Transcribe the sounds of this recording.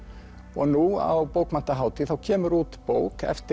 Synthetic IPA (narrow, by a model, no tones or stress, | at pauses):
ɔɣnua̰wpoːwkman̥t̪aɦaːwt̪ɪθawcʰɛːmʏɾuːt̪poːwkɛ̰ft̪ɪ